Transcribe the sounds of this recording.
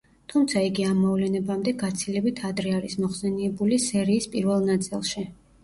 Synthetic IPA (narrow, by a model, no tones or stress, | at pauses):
t̪ʰumt̪sʰaiɡiamːɔvlɛnɛbamd̪ɛɡat̪sʰilɛbit̪ʰad̪ɾɛaɾismɔχsɛniɛbulisɛɾiːspʼiɾvɛlˠnat̪sʼḭlˠʃi